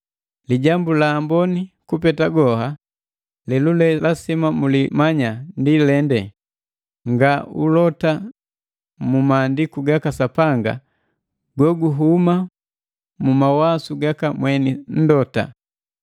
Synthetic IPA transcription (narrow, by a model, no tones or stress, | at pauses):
liɟambulaːmbɔnikupɛtaɡɔha | lɛlulɛlasimamulimaɲandilɛndɛ | ŋɡaṵlɔta | mumaːndikuɡakasapaŋɡa̰ | ɡɔɡuɦuma | mumawasuɡakamwɛnin̩dɔta̰